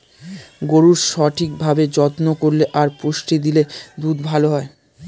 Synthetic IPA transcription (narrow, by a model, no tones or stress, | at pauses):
ɡoɾuɾʃɔʈʰik̚bʱabed͡ʑɔt̪nokoɾleʔaɾpuʃʈʰid̪iled̪ud̪bʱaloɦɔe